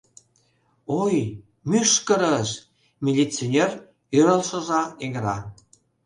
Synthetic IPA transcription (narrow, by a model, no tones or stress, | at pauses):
oj | myʃkə̆ɾəʃ | mʲelʲit͡sonʲer | yɾəlʃə̆ʒɑeɣɾɑ